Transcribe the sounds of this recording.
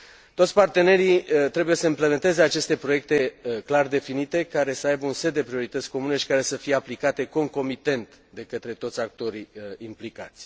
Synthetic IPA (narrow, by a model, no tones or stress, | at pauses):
t̪o̞t̪sʲpart̪e̞ne̞ɾit̪ɾe̞bujesəimple̞me̞nt̪e̞ze̞at͡ʃe̞st̪e̞pɾo̞je̞k̚t̪e̞klard̪e̞finit̪e̞kaɾe̞səajbəunsed̪ːe̞pɾio̞ɾit̪ət̪sʲko̞mune̞ʃi̥kaɾe̞səfije̞aplikat̪e̞ko̞ŋko̞mit̪e̞nt̪ | d̪e̞kət̪ɾe̞t̪o̞t̪sʲak̚t̪o̞ɾiimplikat̪sʲ